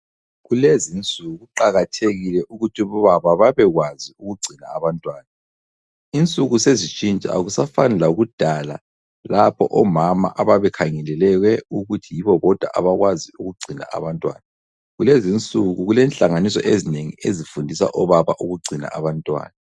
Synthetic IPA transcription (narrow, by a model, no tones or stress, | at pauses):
ɣulezint͡sʼuɣuǃaɣatʰeɣilɛʔuɣutʰuβɔβaβaβaβɛɣwaziuɣuɡ͡ǀʱinaːβantʼwaːna | int͡sʼuɣusezit͡ʃʼint͡ʃʼa̰aɣusafanɛlauɣud̥ʱala̰ | lapʰɔʔɔmama̰ʔaβaβɛkʰaŋɛlɛlɛɣwɛuɣutʰijiβɔβɔd̥ʱwa̰ʔa̰βaɣwaziuɣuɡ͡ǀʱina̰ʔa̰βantʼwa̰ːna | ɣulezint͡sʼuɣuɣulɛnɬaŋanisɔ̰ʔezineŋḭezifundʱisa̰ʔɔβaβa̰ʔuɣuɡ͡ǀʱina̰ʔaβantʼwa̰ːna